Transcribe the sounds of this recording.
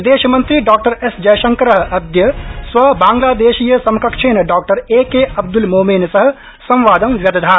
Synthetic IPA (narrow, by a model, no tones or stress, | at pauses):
d̪eːʃmɐ̃nt̪ɾiɖaːk̚ʈəɾesd͡ʒɐjʃɐ̃ŋkɾɐɦɐd̪jəsʋɐbãːŋɡlaːd̪eːʃijəsɐmkɐkʃʰeːnɖaːk̚ʈɐɾeːkeɐb̚d̪ulmoːminsɐɦ̆ | sɐ̃m̃ʋaːd̪ɐmʋjɐd̪d̪ʱaː